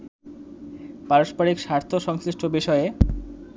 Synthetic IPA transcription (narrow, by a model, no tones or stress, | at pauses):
paɾoʃpaɾikʃaɾt̪ʰoʃɔŋsɾiʃʈʰobiʃɔe